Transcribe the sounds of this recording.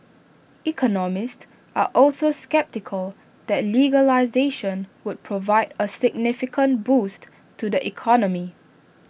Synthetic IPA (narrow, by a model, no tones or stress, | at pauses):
ʔikʰɔnɔmɪsts | a̰ʔɔlsoskɛp̚tɪkʰəl | d̪̥ɛtliɡəlaɪzeʃə̃nwud̚pʰɹovaɪdəsɪɡ̚nɪfɪkʰə̃nbust | tʰːudəʔikʰɔnəmi